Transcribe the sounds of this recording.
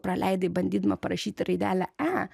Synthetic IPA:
pɾɐlʔa̰jd̪ɐbɐnʲd̪it̪mɐpɐɾɐʃit̪ɾid̪a̰laa

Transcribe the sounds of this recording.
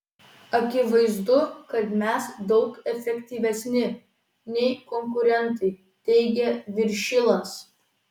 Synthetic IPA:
ɐkʲɪʋɐɪzd̪ʊkɐt̪mʲɛsd̪ɒʊkɛfʲɛkʲt̪ʲiːʋʲɛsʲnʲɪ | nʲɛɪkɔŋkʊɾʲɛnˑt̪ɐɪ | t̪ʲɛɪɡʲɛʋʲɪɾʲʃʲɪlˠɐs

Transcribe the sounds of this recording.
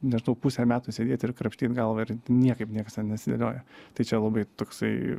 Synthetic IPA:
nʲɛʒnɐʊpusʲɛmʲæːt̪ʊsʲeːd̪ʲeːt̪ʲɪɾkɾɐpʲʃʲt̪ʲiːt̪ɡɐlˠʋɐɪɾnʲiɛkɐɪpnʲiɛkɐsnʲɛnʲɛɐt̪sʲɪd̪ɐlʲoːjɛt̪ɐɪt͡ʃʲɛlˠɐbɐɪt̪oːksɐɪ

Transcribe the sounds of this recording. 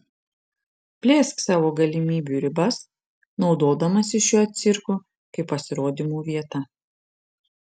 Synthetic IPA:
pʲlʲeːsksɑːʋoːɡɐlʲɪmʲiːbʲuːɾʲɪbɐs | nɒʊd̪oːd̪ɐmɐsʲɪʃʲuːɐt̪̚ʲsʲɪɾku | kɐɪpːɐsʲɪɾoːd̪ʲimuːʋʲiɛt̪ɐ

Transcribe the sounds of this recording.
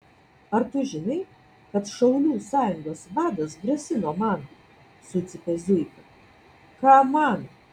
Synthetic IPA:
ɐɾt̪ʊʒʲɪnɐɪ | kɐt̪ʃɐʊlʲuːsɑːjʊŋɡoːsʋɑːd̪ɐsɡʲɾʲɛsʲɪnoːmɐn | sʊt̪sʲɪpʲɛzʲʊjkɐ | kɑːmɑn

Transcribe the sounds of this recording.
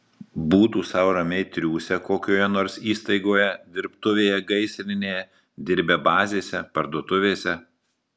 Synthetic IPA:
buːt̪uːsɐʊɾɐmʲɛɪt̪ʲɾʲuːsʲɛkoːkʲoːjɛnoːɾsiːst̪ɐɪɡoːjɛd̪ʲɪɾpt̪ʊʋʲeːjɛɡɐɪsʲɾʲɪnʲeːjɛ | d̪ʲɪɾʲbʲɛbɑːzʲeːsʲɛpɐɾd̪uɔt̪ʊʋʲeːsʲɛ

